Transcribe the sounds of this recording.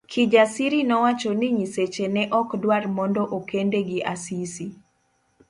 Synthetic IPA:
kʰid͡ʒasiɾinɔwat͡ʃɔniɲiset͡ʃenɛʔɔkdwarmɔndɔʔokendeɡɪʔasisi

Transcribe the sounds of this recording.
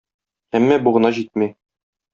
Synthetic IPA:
æmːæbuʁɤ̆nɑʑit̪̚mi

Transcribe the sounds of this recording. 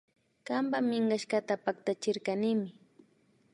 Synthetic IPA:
kambamɪŋɢaʃkat̪apak̚t̪at͡ʃɪɾkanɪmɪ

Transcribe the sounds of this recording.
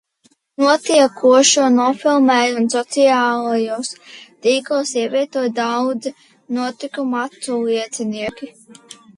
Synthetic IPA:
nuɔt̪iɛkuɔʃuɔnɔfilˠmɛːjunsɔt̪siaːlˠajust̪iːklˠsiɛvʲiɛt̪uɔjd̪awd̪zi | nuɔt̪ikumat̪suliɛt̪sɛniɛkʲi

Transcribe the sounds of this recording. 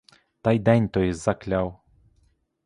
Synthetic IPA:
t̪ajd̪ɛnʲt̪ɔjizaklʲaw

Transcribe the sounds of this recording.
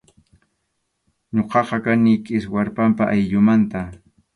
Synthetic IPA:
ɲoqɑqɑkanikʼɪswaɾpampaʔajʎʊmant̪a

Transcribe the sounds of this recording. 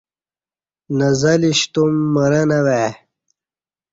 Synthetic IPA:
nɐzɐliɕt̪umːɐɾɐnɐwe

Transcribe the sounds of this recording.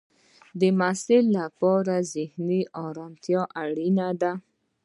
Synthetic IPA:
d̪əmasɪlːapɑɾazɪhniʔɑɾɑmt̪jɑʔaɽinad̪a

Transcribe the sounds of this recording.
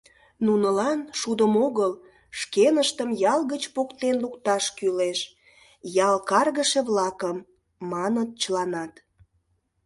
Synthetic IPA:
nunəlɑnʃud̪əmoɣəl | ʃkenəʃt̪əmjɑlɣət͡ɕpokt̪enlukt̪ɑʃkyleʃ | jɑlkɑrɣəʃeβlɑkəmː | ɑnət̪̚t͡ɕəlɑnɑt̪

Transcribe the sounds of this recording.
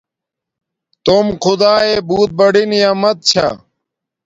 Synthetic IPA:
t̪omkʰʊd̪aːeːbuːt̪̚bɐɽinijamɐt̪̚t͡ɕʰa̰

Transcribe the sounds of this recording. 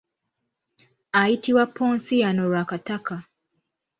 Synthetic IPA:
ajitiwapʰːoːnsijanoɾwakataka

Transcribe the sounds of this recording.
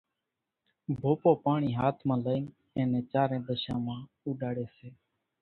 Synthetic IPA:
bʱoːpoːpaːɳiːɦaːt̪ʰmãːləiːn | ẽːnẽːt͡ʃaːɾẽːd̪əʃãːmãː | uːɗaːɽeːseː

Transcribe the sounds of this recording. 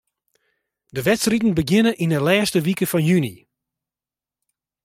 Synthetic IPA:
dəʋɛtsritn̩bəɡɪnəʔinəlɛːstəʋikəfɔnjyni

